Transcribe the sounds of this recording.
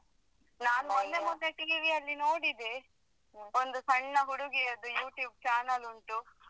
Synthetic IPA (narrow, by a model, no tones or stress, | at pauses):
naːnuond̪emut̪ːeʈiiʋijɐlːino̞ːɽid̪e | ond̪usɐɳːɐɦuɽuɡiɐd̪ujuːʈjuːb̚t͡ʃaːnɐluɳʈu